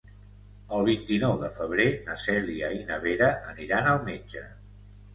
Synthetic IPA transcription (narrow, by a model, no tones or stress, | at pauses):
əlˠβ̞int̪inɔwðəfəβ̞ɾenəsɛliəinəβ̞eɾəʔəniɾanəlˠmed͡ʒə̰